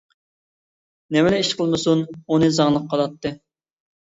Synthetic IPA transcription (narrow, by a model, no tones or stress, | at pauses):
nɛmɛlɛiʃqʰəlˠmɨsununɨzɑŋlˠəq̚ʰːɑlˠɑt̪ʰːɨ